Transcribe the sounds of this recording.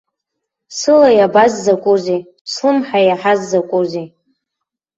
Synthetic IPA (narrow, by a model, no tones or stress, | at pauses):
sɨlajabazːakʷʼuzi | slɨmħajaħazːakʷʼuzi